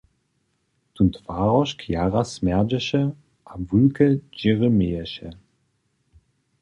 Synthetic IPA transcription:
tuntvaːʁɔʃkʰjaːʁasmɛʁd͡ʒəɕə | ʔavulkʰəd͡ʒiʁəmeːəɕə

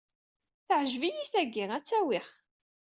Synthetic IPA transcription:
θəʕʒvijiθæɡːiʁæt͡sːæwɪχ

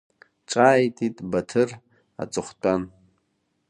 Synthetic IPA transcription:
ʈ͡ʂʼaːjtʰʼitʼbɐtʰɨr | a̰t͡sʼɨχʷtʼan

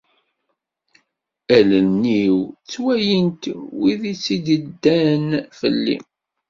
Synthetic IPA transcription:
ælənːiwt͡sːwæjənt̪wiðit͡sːid̪əd̪ːænfə̰lːḭ

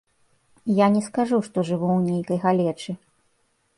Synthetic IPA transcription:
janʲɛskaʐuʂt̪ɔʐɨvuwnʲejkɐjɣalʲɛt͡ʂɨ

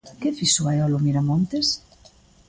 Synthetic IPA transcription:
kefisuaeɔlomiɾamont̪es

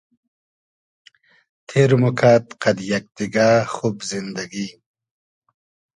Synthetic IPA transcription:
t̪ʰeːɾmukʰaːt̪qɐd̪jak̚d̪iɡaxubzind̪ɐɡi

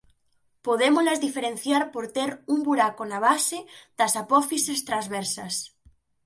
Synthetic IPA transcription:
poðemolazðifeɾẽn̟θjaɾpoɾt̪eɾumbuɾakonaβ̞aseð̥asapɔfisest̪ɾazβeɾsas

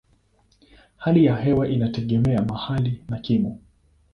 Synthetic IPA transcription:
halijahɛwaʔinatɛɠɛmɛamahalinakimɔ

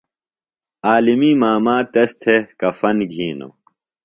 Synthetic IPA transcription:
aːlimiːmaːmaːt̪ɐst̪ʰekɐfɐnɡʱiːno̰

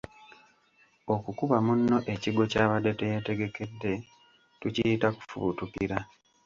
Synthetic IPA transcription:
o̞kukuβamunːo̞ʔe̞ciɡo̞caːβade̞tejete̞ɡe̞ke̞dːe̞ | tucijitaku̥fṵtukiɾa

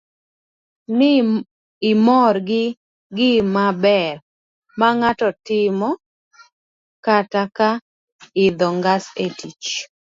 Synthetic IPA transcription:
n | ɪmɔrɡɪ | ɡɪmabɛr | maŋatɔtɪmɔ | kataka | ɪd̪ɔŋɡasetit͡ʃ

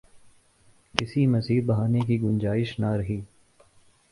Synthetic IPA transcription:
kɪsimɐziːɾbɐɦaːnek̬iɡʊnd͡ʒaːɪʃnaɾɐɦiː

